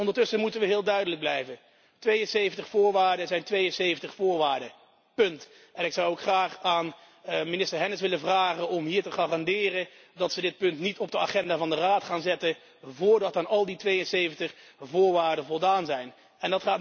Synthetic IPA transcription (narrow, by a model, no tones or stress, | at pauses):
ɔndəɹtɵsəmutəʋəɦɪːlˠdœɥdələɡ̚blɛjvən | tʋejənsejvəntəχfʊːɹʋaːɹdəzɛjntʋejənsejvəntəχfʊːɹʋaːɹdə | pɵnt | ʔɛnɪksʌwokχraːχaːn | minɪstəɹɦɛnəsʋɪləvraːχənɔmɦiːɹtəχarɑndɪːrədɑtsədɪt̚pɵntnitɔb̚dəaχɛndaːvɑndəraːtχaːnzɛtə | vʊːɹdɑtaːnɑlˠditʋejənsejvəntəχvʊːɹʋaːɹdəvɔlˠdaːnzɛjn | ɛndɑtχaːt